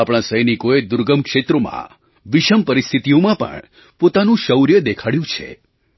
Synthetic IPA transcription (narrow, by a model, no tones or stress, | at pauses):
apɽ̃ãsəjnikoed̪uɾɡəmkʃet̪ɾomã̰ | ʋiʃəmpəɾist̪ʰit̪ijõmãpə̰ɳ | pot̪anũʃəwɾjəd̪ekʰaɽjũt͡ʃʰḛ